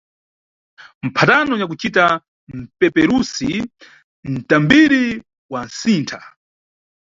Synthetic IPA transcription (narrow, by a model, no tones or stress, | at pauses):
m̩pʰatanɔɲak̬ut͡ʃita | m̩pɛpɛɾusi | n̩tambiɾi | wansiːntʰa